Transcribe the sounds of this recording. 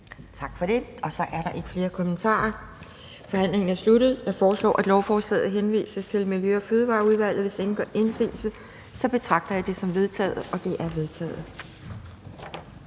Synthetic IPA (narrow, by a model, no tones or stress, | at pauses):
t͡sʰɑ̈ɡ̥fɒ̽ɾ̥e̝ɒ̽sɒ̽ʔæɐɾɑ̈ʔe̝ɡ̥ə̥fle̝ːɐkʰo̽mənt͡sʰɑ̰̈ːɐ | fɒ̽hæn̰le̝ŋn̩æɐsluɾ̥ð̩ˠjɑ̈fɒːslɒ̰ːʔæd̥lɒʊfɒːslɛ̰ːð̩ˠɦenʋḭːsəst͡sʰe̝lmiljøɒ̽føːð̞ˠʋɑ̈ːuð̞ˠʋæl̰ð̩ˠʋe̝sd̥e̝ŋn̩ɡ̥ɶɐʔensḭːl̩sə | sɒ̽b̥e̝t͡sʰʁɑ̈ɡ̥̚d̥ɐjɑ̈ɪd̥e̝sɒ̽mʋe̝ð̞ˠt͡sʰɛ̰ːð̩ˠɒ̽d̥e̝ʔæɐʋe̝ð̞ˠt͡sʰɛ̰ːð̩ˠ